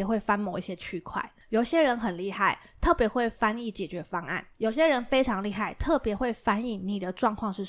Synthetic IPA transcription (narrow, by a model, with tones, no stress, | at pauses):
ɛ˨˩xwe˥˩ɪfa˥nmo˧ʊi˥˩ɕjɛ˥t͡ɕʰy˥kʰwa̰˥˩ɪjo˨˩ʊɕjɛ˦˥ɻə˧˦nxə˨˩nli˥˧xa˥˩ɪ | t̪ʰɤ˥˩pjɛ˧˥˦xwe˥˩ɪfa˦ni˥˩t͡ɕjɛ˨˩t͡ɕɥɛ˨˥˦fɑ˥ŋa̰˥˩njo˨˩ʊɕjɛ˦˥ɻə˧˦nfe˥ɪʈ͡ʂʰɑ˧˥ŋli˥˧xa˥˩ɪt̪ʰɤ˥˩pjɛ˧˥xwe˥˨ɪfa˦ni˥˩ni˨˩d̪ə˦ʈ͡ʂwɑ˥˧ŋkʰwɑ˥˧ŋʂɻ̩˥˨